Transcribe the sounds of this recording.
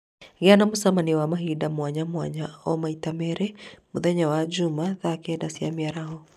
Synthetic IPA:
ɡɪanamusamaniwamaɦidamwaɲamwa̰ɲaɔmaitamɛɾɛmuðɛɲawad͡ʒumaðakɛdasiamiaɾaɦɔ

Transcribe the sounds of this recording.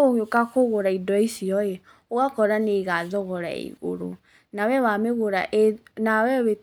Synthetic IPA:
oɲokakoɣoɾaidɔisiɔjɛ | oɣakɔɾaneɣazɔɣɔɾa̰ḛɣo̰ɾo̰ | nawɛwameɣoɾaʔenawɛβe

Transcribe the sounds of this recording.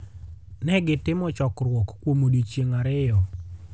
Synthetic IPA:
nɛɡɪtɪmɔt͡ʃɔkɾwɔkkːwomodit͡ʃjeŋaɾɪjɔ

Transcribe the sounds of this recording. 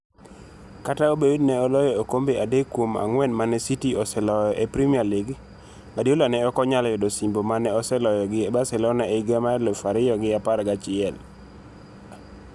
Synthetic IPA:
kataobewidnɛɔlɔjɔokombeadekːwoma̰ŋwɛnmanɛsitiɔsɛlɔjɔʔepɾimialɪɡ | madjolanɛɔkɔɲaljɔdɔsimbomanɛɔsɛlɔjɔɡɪɛbasɛlɔnaeɡamalɔfaɾɪjɔɡɪapaɾɡat͡ʃɪɛl

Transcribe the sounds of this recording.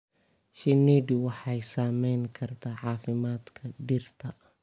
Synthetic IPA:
ʃɪniːd̪ʊwɑħɑjsaːmɛjŋkʰɐrt̪ʰaːʕɑːfɪmaːd̪kʰɐɖɪrt̪ʰɐ

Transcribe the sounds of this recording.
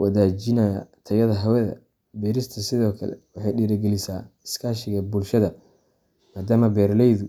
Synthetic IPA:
wʔɐðaːt͡ʃɪnɐjɐ̰t̪ʰɐjɐðɐɦɐwɛðɐ̰ | bɛːɾɪst̪ʰɐsɪðɔːkʰɐlɛ̰wɑħɑjɖiːɾɐɡɛlɪsaːɪskʰaːʃɪɣɐbʊlʃɐðɐ | maːd̪aːmɐbɛːɾlɛjðʊ

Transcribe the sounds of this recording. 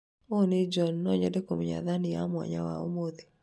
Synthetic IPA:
oned͡ʒɔnːɔɲɔdekomɲa̰ðanɪja̰mwɔ̰ɲa̰wa̰o̰mod̪i

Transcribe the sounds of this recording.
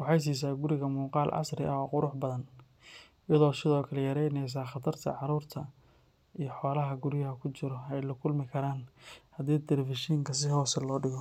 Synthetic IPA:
wɑħɑjs̬iːs̬aːɡʊɾɪɣɐmuːqɑːlʔɑ̰srɪ̰ʔɐɔːqʊɾʊħbɐðɐn | ɪjɐðɔːsɪðɔːkʰɐlɛjɐɾɛjnɛjs̬aːχɑt̪ʰɐrt̪ʰɐ̰ʕɑɾuːrt̪ʰɐ | ijɞħɔːlɐɦɐɡʊɾɪjɐɦɐkʰʊt͡ʃɪɾɔɛjlɐkʰʊlmɪkʰɐɾaːnhɐd̪ɛːd̪ɛlɛfɪʃiːŋkʰɐs̬ɪɦɔːsɐlɔːɖɪɣɔ

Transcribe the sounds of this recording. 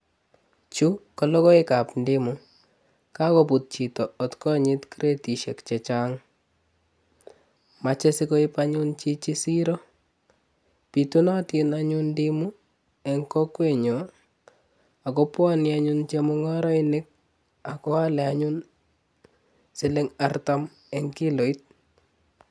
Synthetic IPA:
t͡ʃukɔlɔkɔɪkapndimu | kakoput̚t͡ʃitɔːtkɔɲɪtkiɾetiʃɛkt͡ʃɛt͡ʃaːŋ | mat͡ʃɛsikoipaɲunt͡ʃit͡ʃisiɾɔ | pitunatɪnaɲundimu | ɛŋkɔkweɲɔ | akɔpwɔnɪaɲunt͡ʃemʊŋɔɾɔinɪk̚ | akɔalɛaɲun | sɪlɪŋartam | ɛŋkilɔit̚

